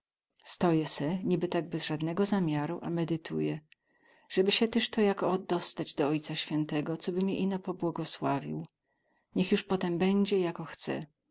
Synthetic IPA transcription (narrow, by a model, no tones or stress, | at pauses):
st̪ɔjɛsɛɲibɘt̪aɡ̚bɛzʐad̪nɛɡɔzamʲjaɾuʔamɛd̪ɘt̪ʰṵjɛ | ʐ̥ɛbɘɕɛt̪ɛʂt̪ɔjakɔːd̪ːɔst̪ad͡ʑd̪ɔɔjt̪saɕfʲjɛnt̪ɛɡɔt̪sɔbɘmʲɛʔinɔpɔbwɔɡɔswavʲḭw | ɲɛxjuʂpɔt̪ɛmbɛɲd͡ʑɛjakɔxt̪sɛ̰